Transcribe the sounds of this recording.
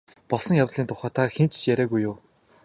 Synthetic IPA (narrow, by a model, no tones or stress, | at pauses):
pɔɮsɞ̆ŋjawt̪ɮ̥iːnt̪ʰʊχæːt̪ʰaxent͡ɕ̆t͡ɕjæɾʲæːɣujːʊː